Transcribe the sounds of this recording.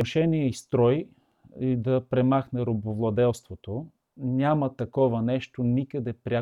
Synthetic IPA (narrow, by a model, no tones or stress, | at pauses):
oʃɛniɛist̪ɾɔj | id̪ɐpɾɛmaxnɛɾobovlˠɐd̪ɛlˠst̪vot̪o | nʲamɐt̪ɐkɔvɐnɛʃt̪onikəd̪ɛpɾʲa